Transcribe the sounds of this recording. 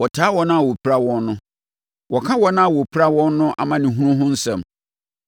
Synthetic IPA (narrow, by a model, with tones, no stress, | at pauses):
wɔ˨tʰaː˨˦wɔ˨nã˦a˨wɔ˨pʰi˦ɾa˦wɔ̃˦nːʊ̃˦ | wɔ˨kʰã˦wɔ˦nã˦a˨wɔ˨pʰi˦ɾa˦wɔ̃˦nː˦ʊ̃˦ʔa̰˨mã˦nɪ̃˨ɦũ˦ɾʊ̃˦ɦʊ̃˦n̩˦sɛ̰̃˨m